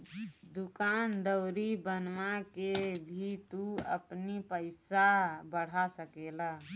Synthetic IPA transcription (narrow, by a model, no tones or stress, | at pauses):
d̪ʊkaːnd̪əʊɾibənʋakebʱit̪uə̰pnipəɪsabəɽ̤asəkela